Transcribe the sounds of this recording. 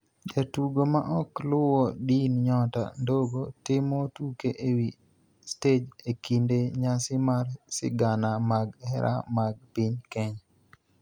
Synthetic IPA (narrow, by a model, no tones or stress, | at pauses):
d͡ʒatuɡomaʔɔklʊwɔdinɲɔta̰ndoɡotɪmɔtukeʔewi | sted͡ʒekindeɲasɪmarsɪ̰ɡanamaɡhɛɾʔa̰maɡ̚piɲkɛɲa